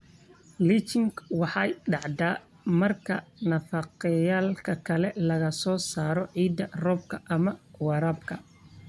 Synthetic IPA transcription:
lit͡ʃɪŋkwɑħɑjɖɑʕd̪aː | mɐrkʰɐnɐfɑqɪjaːlkʰɐkʰɐlɛlɐɣɐsɔːsaːɾɔʕiːd̪ːɐrɔːb̚kʰɐʔɐmɐwɑɾɐbkʰɐ

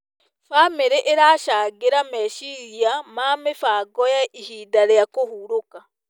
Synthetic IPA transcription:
fameɾeʔeɾaʃaːɡeɾameʃiɾiamaːmefaɡɔjaʔihiːdaɾjakohuɾoka

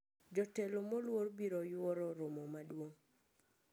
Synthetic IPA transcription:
d͡ʒɔtɛlomɔlworbiɾojwɔɾɔɾomomadwoŋ

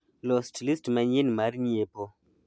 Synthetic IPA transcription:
lɔstlistmaɲinmaɾɲiepo

